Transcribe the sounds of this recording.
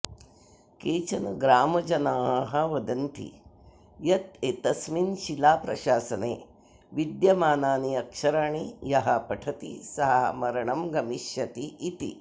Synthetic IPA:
keːt͡ʃɐnɐɡɾaːmɐd͡ʒɐnaːɦɐʋɐd̪ɐnt̪ḭ | jɐt̪et̪ɐsminʃilaːpɾɐʃaːsɐneː | ʋid̪jɐmaːnaːniɐkʃɐɾaɳijɐɦɐpɐʈʰɐt̪isɐɦɐɐ̰mɐɾɐɳɐmɡɐmiʃjɐt̪iːt̪ḭ

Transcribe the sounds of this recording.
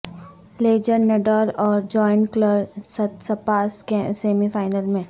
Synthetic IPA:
leːd͡ʒəɾneɖɔːlɔːɾd͡ʒɔːɪnkləɾsɐt̪sɐpaːskeseːmifaːɪnəlmẽ

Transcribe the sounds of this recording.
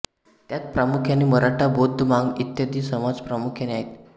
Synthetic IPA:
t̪jat̪̚pɾamukʰjaniməɾaʈʰabod̪ʱːəmaŋɡit̪jad̪iːsəmad͡zpɾamukʰjaneaɦet̪

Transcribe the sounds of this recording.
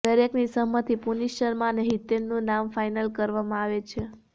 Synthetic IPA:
d̪əɾeknisəɦmət̪ʰipuniʃəɾmãnəɦit̪enːũnamfajnəlkəɾʋamãaʋet͡ʃʰe

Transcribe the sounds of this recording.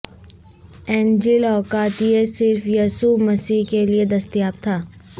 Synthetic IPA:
ɛːnd͡ʒɪlɔːkaːt̪ijesɪɾfjaːsumɐsiːkelied̪ɐst̪ijaːp̚t̪ʰaː

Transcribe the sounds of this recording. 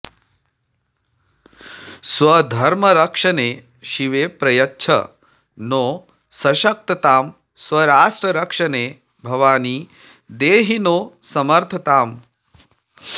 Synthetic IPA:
sʋɐd̪ʱɐɾmɐɾɐkʂɐneː | ʃiʋeːpɾɐjɐtːʃʰɐ̰ | noː | sɐʃɐk̚t̪ɐt̪aːm | sʋɐɾaːʂʈɾɐɾɐkʂɐneː | bʱɐʋaːniː | d̪eːɦinoː | sɐmɐɾt̪ʰɐt̪aːm

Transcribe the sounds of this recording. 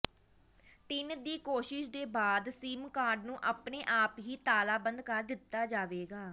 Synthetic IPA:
t̪ɪnd̪iːkoːʃɪʃd̪eːbaːd̪siːmkaːɾɖnũːʔaːpneːʔaːpɦiːt̪aːlaːbənd̪kəɾd̪ɪt̪ːaːd͡ʒaːʋeːɡaː

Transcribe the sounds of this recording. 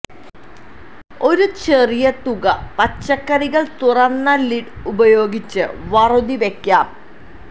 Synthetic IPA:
o̞ɾut͡ɕe̞rijɐt̪uɣɐpɐt͡ɕːɐkːɐɾiɣɐɭt̪urɐnːɐliɖubɐjo̞ːɡit͡ɕːɨʋɐrud̪iʋekʲːaːm

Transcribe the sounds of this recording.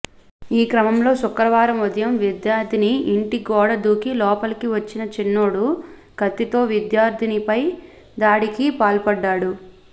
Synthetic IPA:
iːkɾɐmɐmlo̞ːsukɾɐʋaːɾɐmud̪jɐmʋid̪jaːɾd̪ʱiniːɳʈiɡɔːɽɐd̪uːkilɔːpɐlɐkiʋɐt͡ʃːinɐt͡ʃinːoːɽu | ɡ̥ɐt̪ːit̪o̞ːʋid̪jaːɾd̪ʱinipɐj | d̪aːɽikipaːlpɐɖːaːɽu

